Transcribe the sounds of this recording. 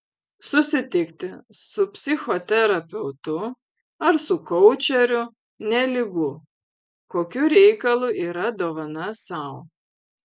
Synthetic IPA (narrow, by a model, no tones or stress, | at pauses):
sʊsʲɪt̪ʲɪkt̪ʲɪsʊpʲsʲɪxot̪ʲɛɾɐpʲɛʊt̪ʊ | ɐɾsʊkɔʊt͡ʃʲɛɾʲʊ | nʲɛlʲɪɡʊ | koːkʲʊɾʲɛɪkɐlˠuʔiːɾɐd̪oːʋɐnɐsɐʊ